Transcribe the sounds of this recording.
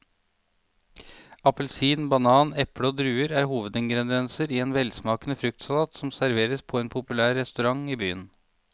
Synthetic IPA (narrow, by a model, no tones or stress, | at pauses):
ɑpəl̩siːnbɑnɑːnɛpɽəoːd̪ɾʉːəɾæːɾhuːʋəd̪ɛŋɡɾɛnd̪ɛnsəɾiːeːnʋɛlsmɑːkənəfɾʉk̚t̪sɑlɑːt̪sɔmsæɾʋeːɾəspʰoːeːnpʰʊpʉlæːɾːɛst̪ʉɾɑŋiːby̰ːən